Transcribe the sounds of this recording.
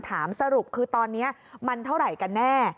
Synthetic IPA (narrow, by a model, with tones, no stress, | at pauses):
t̪ʰaː˩˦msa˧ɾu˨˩p̚kʰɯː˧t̪ɔː˧nːi˦˥ɐma˧nt̪ʰa˥˩wɾa˨˩jka˧nːɛː˥˩